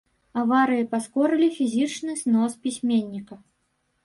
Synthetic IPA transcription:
avaɾɨjipaskɔɾɨlʲifʲizʲit͡ʂnɨsnɔspʲisʲmʲenʲːikɐ

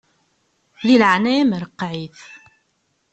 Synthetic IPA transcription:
ðiləʕnæiməɾəqːʕiθ

